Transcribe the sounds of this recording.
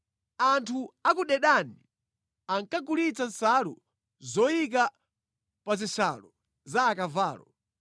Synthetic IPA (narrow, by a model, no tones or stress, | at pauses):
antʰuakuɗɛɗani | aŋkaɡulit͡sansalṵ | zɔjik̬a | pazisalɔ | zaːkavaːlɔ